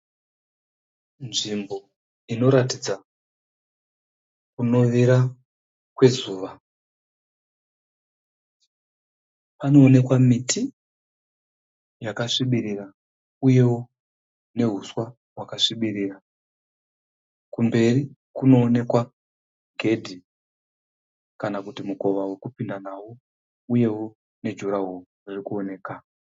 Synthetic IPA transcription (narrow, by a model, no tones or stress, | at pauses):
nʐimbo̞ | ino̞ɾatid͡za | kuno̞ʋiɾa | kwe̞zuːʋa | pano̞ːne̞kwamitʰi | jakaʂiɓirira | uje̞wo | ne̞ɦuswa | ɦwakaʂiɓiɾiːra | kumbe̞ri | kuno̞ːne̞kwa | ɡʱe̞dʱi | kanakutimuko̞ʋawe̞kupindanawo | uje̞wo | ne̞d͡ʒuɾaɦuʐirikuone̞ːka